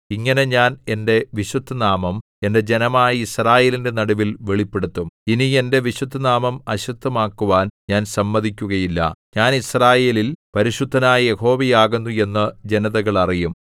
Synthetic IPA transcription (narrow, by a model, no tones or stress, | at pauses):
iŋːɐne̞ɲaːne̞nde̞ʋiɕud̪ʱːɐnaːmɐm | e̞nde̞d͡ʑe̞nɐmaːjɐisraːje̞ːlinde̞nɐɽuʋilʋe̞ɭipːe̞ɽut̪ːuminie̞nde̞ʋiɕud̪ʱːɐnaːmɐmɐɕut̪ʰːɐmaːkːuʋaːnɲaːnsɐmːɐðikʲːuɣɐjilːɐ̰ɲaːnisraːje̞ːlilpɐɾiɕud̪ʱːɐnaːjɐje̞ho̞ːʋɐjaːɣunːue̞nːɐd͡ʑe̞nɐðɐɣɐɭɐrijum